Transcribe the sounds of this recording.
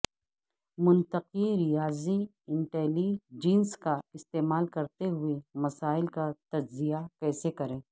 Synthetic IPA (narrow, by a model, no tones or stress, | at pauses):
mʊ̃nt̪əqiɾɪjaːzi | ɪ̃ɳʈɛːlid͡ʒiːnskaɪst̪eːmaːlkɐɾt̪eɦʊemɐsaːɪlkat̪ɐd͡ʒzijakɛːsekɐɾẽː